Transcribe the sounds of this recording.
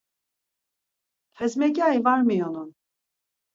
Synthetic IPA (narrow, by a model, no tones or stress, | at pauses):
fʰɛzmɛɟajvaɾmɯjonun